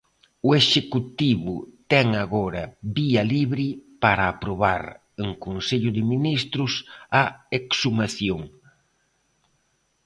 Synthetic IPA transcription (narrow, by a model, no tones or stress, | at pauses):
ʊeʃekut̪iβʊt̪ɛŋaɣoɾɐβiɐliβɾɪpaɾaːpɾoβa̰ɾ | eŋkonseʎʊðɪminist̪ɾʊsɐeksumaθjoŋ